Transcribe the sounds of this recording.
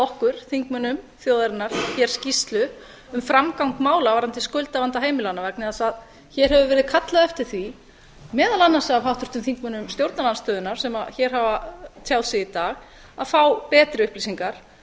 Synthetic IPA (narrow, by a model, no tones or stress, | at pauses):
ɔhkʏɾ̥θiŋkmʏnʏm | θjoːwðaɾɪnːaɾ̥çɛɾ̥scist̪lʏ | ʏmfɾamkawŋkmaːwlavaɾant̪ɪskœɥjlt̪avant̪aɦeːjmɪlanavaknɪðasað | çɛɾ̥hɛvʏvɛːɾɪð̥kʰat̪laðɛft̪ɪɾ̥θvi | mɛːðalanːasavɦawht̪ʏɾ̥t̪ʏmθiŋkmʏnʏmst̪jowɾt̪nalanst̪œːðʏnaɾ̥sɛma̰ðçɛɾ̥havat̪ʰjaːwðsɪit̪aːɣ | aðfaːwpɛːt̪ɾɪʏhplisiŋkaɾ̥